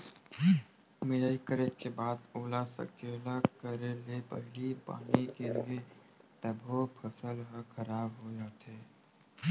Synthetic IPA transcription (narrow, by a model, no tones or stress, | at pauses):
mɪjaːikəɾekebaːd̪oːlasə̰kelakəɾelepɐ̰ɦlipa̰ːnikelie | t̪əbʱopʰɐsəlɦəkʰəɾaːbɦoːd͡ʒat̪ʰeː